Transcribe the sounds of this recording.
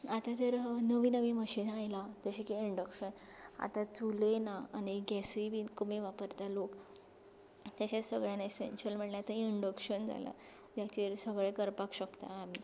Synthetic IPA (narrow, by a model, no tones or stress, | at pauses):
at̪at̪əɾnəʋiːnəʋiːməɕiːnajlat̪əɕikiiɳɖəkɕən | a̰t̪at͡sulenaañiɡɛsʋibʱiːkumeʋapəɾt̪alok | t̪jat͡ɕasəɡɭjãnesḛnɕəlm̤əɳleat̪aiɳɖəkɕənd͡za̰la̰ | d͡ʑ̪jat͡ɕeɾsəɡɭekəɾpakɕəkt̪a̰ːmi